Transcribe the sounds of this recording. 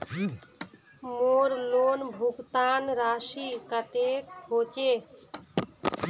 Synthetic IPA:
moɾlonbʱukt̪anɾaʃikət̪ekhot͡ʃe

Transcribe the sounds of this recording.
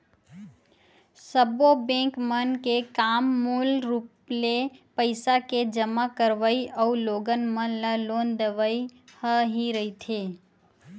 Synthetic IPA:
səbobẽːkmənkekaːmːuːlɾuːplepəɪsaked͡ʒəmakəɾʋəiʔəuloːɡənmənləloːnd̪əʋəihəɦiɾəit̪ʰeː

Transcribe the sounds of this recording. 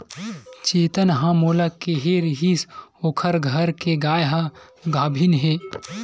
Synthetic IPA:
t͡ʃeːt̪ənɦãmoːləkːeɦeɾiɦisoːkʰəɾɡʱəɾkeɡaːjɦã | ɡaːbʱinɦeː

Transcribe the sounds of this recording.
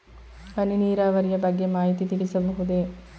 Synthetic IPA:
ʋɐniniːɾaːʋɐɾijɐbɐɡjemaːɦit̪it̪iɽisɐbɐɦud̪eː

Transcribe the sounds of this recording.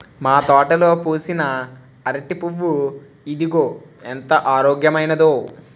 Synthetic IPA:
maːt̪ɔːʈɐlo̞ːpuːsinɐ | ɐɾɐʈipuʋːu | id̪iɡoːent̪ɐʔaːɾoːɡjɐmɐjnɐd̪oː

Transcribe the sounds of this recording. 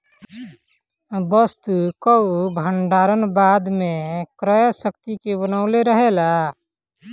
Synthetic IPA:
bəst̪ukəubʱəɳɖaɾənbad̪mekɾəjsəkt̪ikebənaʊleɾəɦela

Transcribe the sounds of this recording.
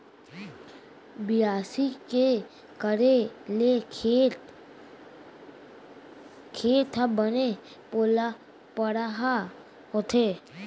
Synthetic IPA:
bɪjaːsike | kəɾele | kʰeːt̪abəne | poːla | pəɽaɦa | ɦot̪ʰeː

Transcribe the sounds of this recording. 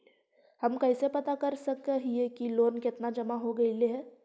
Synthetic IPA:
hɐmkɛɪsepɐt̪akɐɾsɐkəɦiekiloːnkɪt̪nad͡ʒɐmaɦoɡɐileɦɛː

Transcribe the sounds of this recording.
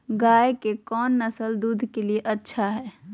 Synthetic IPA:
ɡajkekɔnːəsəld̪ud̪ʱkelijeʔətːʃʰaɦɛː

